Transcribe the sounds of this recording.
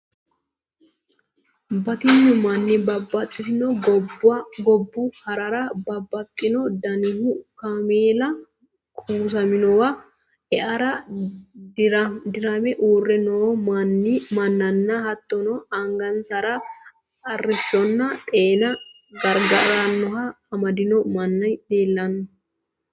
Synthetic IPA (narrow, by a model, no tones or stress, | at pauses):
bɐt̪ɪɲːʊmɐnːɪbɐbɐt̪ʼːɪsɪnɔɡbɡɔbːʊhɐɾɐɾɐbɐbːɐt̪ʼːɪnɔd̪ɐnɪhʊkɐmeːlɐ | kʰʼuːs̬ɐmɪnɔwɐ | ɛʔɐɾɐ | ɾd̪ɪɾɐmɛʔuːrːɛnɔmɐnːɪmɐnːɐnːɐhɐt̪ːɔnɔɐŋɡɐnsɐɾɐ | ɐrːɪʃːɔnːɐt̪ʼeːnɐ | ɡɐɾɡɐɾɐnːɔɦɐː | mɐd̪ɪnɔmɐnːɐjd̪eːlːɐnːɐ